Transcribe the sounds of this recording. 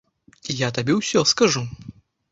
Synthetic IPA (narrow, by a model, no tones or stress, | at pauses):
ijat̪abʲɛwsʲɔskaʐu